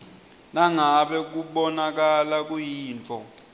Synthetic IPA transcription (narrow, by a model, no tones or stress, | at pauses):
naŋaɓɛk̬uɓɔnak̬alak̬ujiːnt͡fʰʼɔ